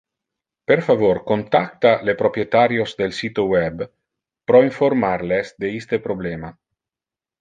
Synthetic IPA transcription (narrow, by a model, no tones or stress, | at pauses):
peɾfavoɾkont̪ak̚t̪alepɾopɾjet̪aɾjozd̪elsiːt̪owɛb | pɾɔiɱfoɾmaɾlesd̪eist̪epɾoblɛːma